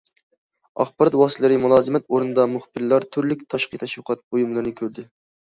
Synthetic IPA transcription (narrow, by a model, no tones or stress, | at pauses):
ɑ̰χbɑɾɑt̪wɑːslˠɨɾɪmulˠɑːzɨmɛt̪oɾunɨd̪ɑmuχbɪɾlˠɑɾt̪ʰyɾlykʲt̪ʰɑʃqit̪ʰɑʃwʊqʰɑt̪̚bojumlˠɨɾnɨkʲʰøɾd̪ɪ